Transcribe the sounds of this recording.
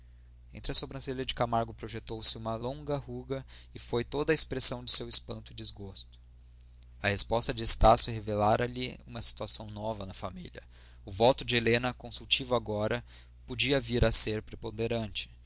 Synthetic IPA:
ẽnt̪ɾɪɐsobɾɐ̃seliɐd͡ʒɪkamaɾɡʊpɾoʒet̪owsɪũmɐlõŋɡɐhuɡɐɪfojt̪od̪ɐɪspɾesɐ̃w̃d͡ʒɪsewɪspɐ̃nt̪ʊɪd͡ʒɪzɡost̪ʊ̥ | ɐhespɔst̪ɐd͡ʒɪest̪asʊhevelaɾɐlɪṵ̃mɐsi̥t̪uasɐ̃w̃nɔvɐnɐfamḭlʲɐ̰ | ʊvɔt̪ʊd͡ʒɪelẽnɐkõsuwt͡ʃivʊaɡɔɾɐ | pod͡ʒiɐviɾɐseɾpɾepõnd̪eɾɐ̃nt͡ʃɪ̥

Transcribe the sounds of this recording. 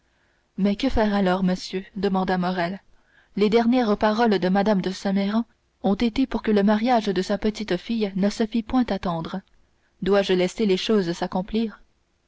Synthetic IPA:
mɛkəfɛːʁalɔːʁməsjød̪əmɑ̃d̪amɔʁɛl | led̪ɛʁnjɛʁpaʁɔld̪əmad̪amd̪əsɛmɛʁɑ̃ | ɔ̃t̪et̪epuʁkələmaʁjaʒd̪əsapət̪it̪fijnəsəfipwɛ̃t̪at̪ɑ̃ːd̪ʁə | d̪waʒəlɛseleʃoːzsakɔ̃pliːʁ

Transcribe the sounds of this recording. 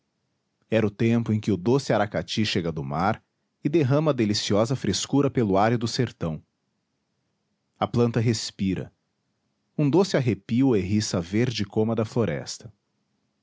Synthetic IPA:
ɛɾʊt̪ẽmpʊẽj̃kɪʊd̪osɪaɾakat͡ʃiʃeɡɐd̪ʊmaɾ | ɪd̪eɦɐ̃mɐd̪elisiɔzɐfɾeskuɾɐpelʊaɾʊd̪ʊseɾt̪ɐ̃w̃ | ɐplɐ̃nt̪ɐɦespiɾɐ̰ | ũd̪osɪaɦepiʊeɦisɐveɾd͡ʒɪkõmɐd̪ɐfloɾɛ̰st̪ɐ̥

